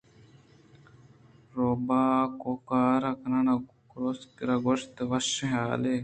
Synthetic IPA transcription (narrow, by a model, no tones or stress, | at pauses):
ɾoːbaːkoːkaːɾaknana | kɾoskɾaːɡoʃt̪ʋɐʃɦaːleː